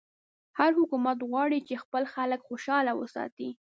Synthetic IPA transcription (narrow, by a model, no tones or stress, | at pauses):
haɾhʊkumat̪ɣwɑɽit͡ʃexpəlxaləkxoʃɑlawə̰sɑ̰t̪i